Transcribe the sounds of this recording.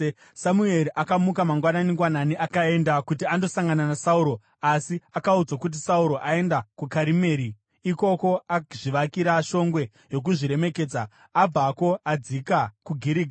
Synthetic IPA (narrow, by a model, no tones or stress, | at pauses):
samue̞ɾiʔakamukamaŋɡwananiŋɡwananiʔakae̞ndakutiando̞saŋɡananasauɾo̞ | asiakaud͡zakut̬isauɾo̞ʔae̞ndakukaɾime̞ːɾiː | ko̞ko̞ʔaʐiʋakiɾaʃo̞ŋɡwe̞ | jo̞k̬uʐiɾe̞me̞ke̞ːd͡zaː | b͡vako̞ad͡zikakuɡʱiɾiɡʱa